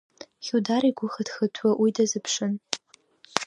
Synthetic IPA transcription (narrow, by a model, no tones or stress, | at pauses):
χʲudaɾiɡʷʊxədxɨtʰwaʔwidazɨpʰʂɨn